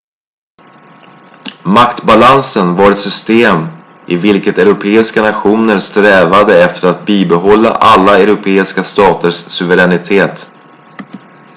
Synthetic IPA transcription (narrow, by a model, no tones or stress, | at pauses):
makt̪balansənvaɾɛt̪sʏst̪eːm | ɪvɪlkət̪ɛɾʊpʰeːɪskanaɧuːnəɾst̪ɾɛːvad̪əɛft̪əɾat̪̚biːbɛɦɔlːa̰ʔalːaɛɾʊpʰeːɪskast̪ɑːt̪əʂsɵvəɾɛnɪt̪ʰeːt̪